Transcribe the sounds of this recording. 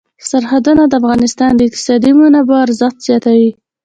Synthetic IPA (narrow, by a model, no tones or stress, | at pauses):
saɾhad̪unad̪əafɣɑnɪst̪ɑnd̪əɪq̚t̪ɪ̥sɑd̪imunabaɾzət̪z̥jɑt̪awi